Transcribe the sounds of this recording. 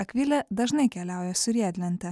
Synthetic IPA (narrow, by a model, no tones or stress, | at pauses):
ɐkʲʋʲɪlʲɛd̪ɐʒnɐɪkʲɛlʲæˑʊjɛsʊɾʲiɛd̪ʲlʲɛnʲt̪ʲɛ